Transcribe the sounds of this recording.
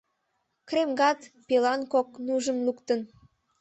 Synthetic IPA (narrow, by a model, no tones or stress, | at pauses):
kremɡɑt̪pelɑnkok̚nuʒəmlukt̪ən